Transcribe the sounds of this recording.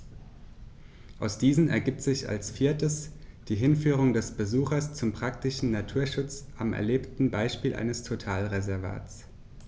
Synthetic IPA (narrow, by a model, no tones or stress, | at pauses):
ʔaʊsd̥iːzn̩ɛ̰ɐɡiːp̚tz̥ɪça̰lsfiːɐtəsd̥iːɦɪnfyːʁ̞ʊŋdɛsb̥əzuːxɐst͡sʊmpʁ̥aktɪʃn̩natʰuːɐʃʊt͡sʔamɛ̰ɐleːptn̩baɪʃpiːlʔa̰ɪnəstʰotʰaːlʁezɛɐva̰ːt͡s